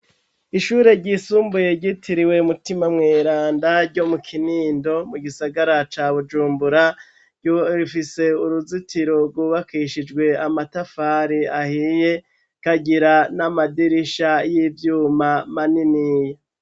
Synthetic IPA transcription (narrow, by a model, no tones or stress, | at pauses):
iʃuːɾe̞ɾɟisuːmbuje̞ɾɟitʰiɾiwe̞umutimamŋeːɾaːndaɾɟomukʰiniːndo̞muɡisaɡaɾat͡ʃaβud͡ʒuːmbuɾa | ɟoifise̞uɾuzitiɾo̞ɾɡwuːβakiʃid͡ʒɡwe̞amatafaɾiahije̞ | kaɟiɾanamadiɾiʃajivjuːmamaninije